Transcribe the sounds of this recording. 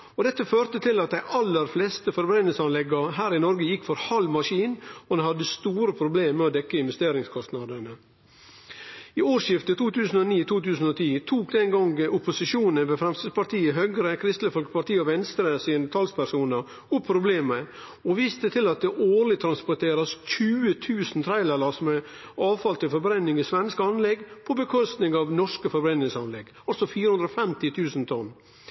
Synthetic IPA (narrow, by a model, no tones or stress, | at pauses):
ɔd̪ɛt̪ːəføːɾt̪ət̪ʰɪlɑt̪̚d̪æɪʔɑlːəɾflɛːst̪əfɔɾbɾɛnəl̩sɑnlɛɡəɦæːɾɪnɔɾɡəjɪkːfɔɾhɑlmɑʂiːnɔd̪ɛnhɑd̪əst̪uːɾəpʰɾʊbleːmmɛɔd̪ɛkːəɪnʋɛst̪eːɾɪŋskʰɔst̪nɑd̪ənə | ɪoːʂjɪft̪ət̪ʰuːt̪ʰʉːsən̩ɔniːt̪ʰuːt̪ʉːsn̩ɔt̪ʰiːt̪ʰuːk̚d̪ɛnɡɑŋɡʔʊpʊsɪʃuːnənʋeːfɾɛmst̪əd̪pɑʈ̪ʰiːəɦøːɡɾəkʰɾɪst̪ləfɔlkə̥pɑʈ̪iːəɔʋɛnst̪ɾəsiːnt̪ʰɑlspʰæʂuːnəɾ | ʊpʰːɾʊbleːmə | ɔʋiːst̪ət̪ʰɪlɑt̪̚d̪ɛʔoːɾɭɪt̪ʰɾɑnspʊʈ̪ʰeːɾɑsçʉːət̪ʰʉːsn̩t̪ʰɾæɪlælɑsmɛ | ɑːʋfɑlt̪ʰɪlfɔɾbɾɛnːɪŋɪsʋɛnskɑnlɛɡpʰɔbəkʰɔst̪nɪŋɑʋnɔʂkəfɔɾbɾɛnːɪŋsɑnlɛɡ | ɑlsɔfiːɾəʉnd̪ɾɔfɛmt̪ɪt̪ʰʉːsnt̪ʰɔnː